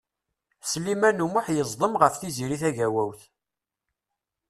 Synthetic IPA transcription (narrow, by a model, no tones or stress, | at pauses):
slimænumʊħjəzˤd̪ˤəmʁəfθiziɾiθæʝæwæwθ